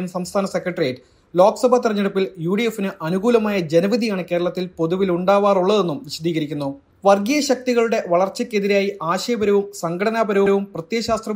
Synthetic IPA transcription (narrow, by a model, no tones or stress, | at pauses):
ɐmsɐmst̪ʰaːnɐse̞kːrɐʈrijeʈːɨ | loːksɐbʱaːt̪irɐɲːeɽupːiljuːɽijefːinɨʔɐnuɣuːlɐmaːjɐd͡ʑe̞nɐʋid̪ʱijaːɳɨke̞ːɾɐɭɐt̪ːilpo̞ðuʋiluɳɖaːʋaːruɭːɐðe̞nːumʋiɕɐd̪iːɣɐɾikʲːunːu | ʋɐrɡijɐɕɐk̚t̪iɣɐɭuɽe̞ʋɐɭɐrt͡ɕːɐkʲːe̞ðiɾaːjiʔaːɕɐjɐbɐɾɐʋumsɐŋɡʰɐɽɐnaːbɐɾɐʋɾɐʋumprɐt̪jeːɕaːst̪rɐ